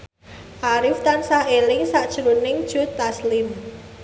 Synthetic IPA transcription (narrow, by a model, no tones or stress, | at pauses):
ʔaɾɪft̪ansaʔelɪŋsaʔd̥ʒ̥ɾunɪŋd̥ʒ̥o̤t̪aslɪm